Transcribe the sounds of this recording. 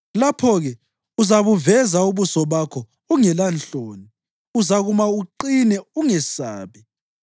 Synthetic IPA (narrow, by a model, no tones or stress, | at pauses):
lapʰɔɣɛ | uzaβuvɛzauβusɔβakʰɔ | uŋɛlant͡ɬoːni | uzaɣumauǃinɛuŋɛsa̰ːβɛ